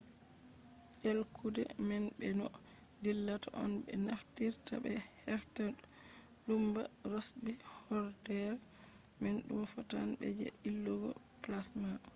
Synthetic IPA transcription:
ʔelkʰudɛ̰mɛnbɛnɔdilːataʔɔnbɛ̰naftiɾtabɛhɛɾtanlumbaɾosbihɔɾdɛɾmɛnɗumfɔtanbɛ̰d͡ʒɛilːuɡɔ̰klasma

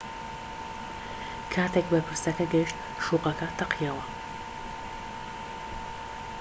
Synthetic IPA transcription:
kʰaːt̪ʰeːkbɛpʰɨɾsɐkʰɐɡɛʃt̪̚ | ʃuːqɐkʰɐt̪ʰɐqʰjawɐ

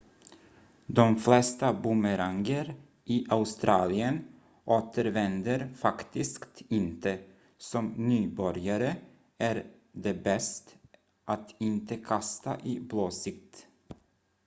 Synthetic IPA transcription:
d̪ɔmflɛst̪abʊməɾaŋɡəɾ | ʔiʔaʊst̪ɾʔɑːlɪən | ʔoːt̪ʰəɾvɛnd̪əɾfakt̪ɪskt̪ɪnt̪ʰə | sɔmnyːbœɾjaɾə | æɾ | d̪ɛbɛst̪ | ʔat̪ɪnt̪əkʰast̪a̰ʔɪbloːsɪk̚t̪

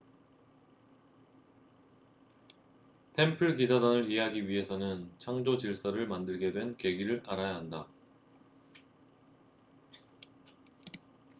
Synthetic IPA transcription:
tʰe̞mpʰɯɭkisʰadaŋɯɾieɦaɡiɥiɦe̞sʰʌnɯnt͡ɕʰaŋd͡ʑot͡ɕiɭs͈aɾɯɭmandɯɭɡe̞dwe̞nke̞ɡiɾɯɾaɾajaɦanda

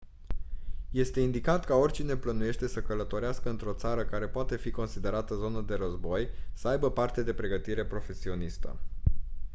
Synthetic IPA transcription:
je̞st̪e̞ind̪ikat̪kao̞rʲt͡ʃine̞plənuje̞ʃt̪e̞səkələt̪o̞ɾeaskəɨnt̪ɾo̞t̪saɾəkaɾe̞poat̪e̞fiko̞nsid̪e̞ɾat̪əzo̞nəd̪e̞ɾəzbo̞jsəajbəpart̪ed̪e̞pɾe̞ɡət̪iɾe̞pɾo̞fe̞sio̞nist̪ə̰

